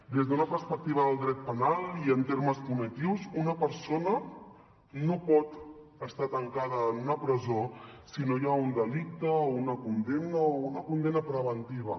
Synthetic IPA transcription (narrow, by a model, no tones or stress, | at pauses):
d̪ezðunəpəɾspək̚t̪iβ̞əðəlˠd̪ɾɛt̪̚pənalˠiənt̪eɾməskumit̪iwzunəpəɾsonə | nopɔt̪ | əst̪at̪əŋkaðəːnunəpɾəzosinojaund̪əlik̚t̪əounəkund̪emnəounəkund̪emnəpɾəβənt̪iβ̞ə̰